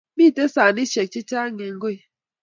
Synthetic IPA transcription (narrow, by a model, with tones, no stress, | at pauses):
bi˦˨te˦sa˨ni˦ʃe˨k̚t͡ʃi˦t͡ʃa˦ŋe˨ŋ̩˦ɡo˦i˨